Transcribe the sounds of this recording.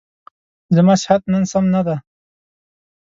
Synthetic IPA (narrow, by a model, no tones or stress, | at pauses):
zəmasɪhat̪̚nənsamnad̪a